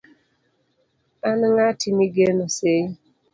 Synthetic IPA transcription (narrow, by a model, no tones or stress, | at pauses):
anŋatiniɡenose